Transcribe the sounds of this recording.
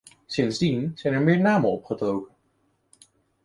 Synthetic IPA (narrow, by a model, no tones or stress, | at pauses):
sɪnzdinz̥ɛjnɛɹmɪːɹnaːmənɔpχətowkən